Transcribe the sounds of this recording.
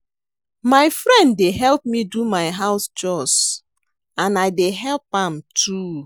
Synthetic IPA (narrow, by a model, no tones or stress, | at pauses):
maɪfɹɛ̃ndːeɦɛlˠp̚midumaɪɦaʊsd͡ʒɔst | ãnaɪdeɦɛlpãmtʰu